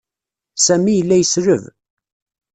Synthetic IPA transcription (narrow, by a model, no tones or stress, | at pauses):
sæmijəlːæjəsɾəv